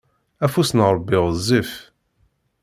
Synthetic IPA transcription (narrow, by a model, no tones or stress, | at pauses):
æfusnʁɾˤəbːiʁzˤːif